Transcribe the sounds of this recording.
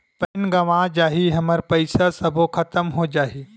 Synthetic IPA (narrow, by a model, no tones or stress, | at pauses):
pɐnɡɐʋad͡ʒaːɦiɦɐməɾpɐɪsasɐbʱokʰɐt̪əmɦod͡ʒaːɦiː